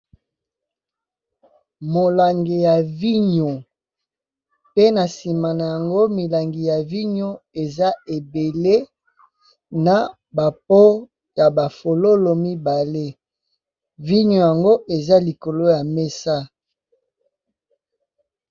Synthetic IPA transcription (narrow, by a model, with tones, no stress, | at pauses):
mo˨la˨ŋɡe˨ja˨vi˦ɲo˨ | pe˦na˨si˨ma˨na˨ja˨ŋɡo˦mi˨la˨ŋɡi˨ja˨vi˦ɲo˦e˨za˦e˨be˨le˦ | na˨ | ba˨p̚o˦ | ja˨ba˨fo˨lo˦lo˨mi˦ba˨le˦ | vi˦ɲo˨ja˨ŋɡo˦ʔe˨za˦li˨ko˨lo˦ja˨me˦sa˦